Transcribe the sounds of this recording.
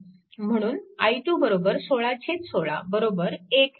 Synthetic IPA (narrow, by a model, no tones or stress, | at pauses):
m̤əɽ̃uːnajʈjuːbəɾobəɾsoɭat͡ɕʰet̪soɭa̰bəɾobəɾek